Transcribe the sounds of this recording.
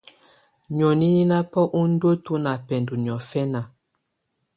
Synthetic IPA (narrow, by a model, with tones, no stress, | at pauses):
ɲɔ˨ni˦ni˦na˦pɔ˦ʔu˦n̩˦do˦tu˦na˨pɛ˨ndu˨ɲ˨ɔ˨fɛ˦na˨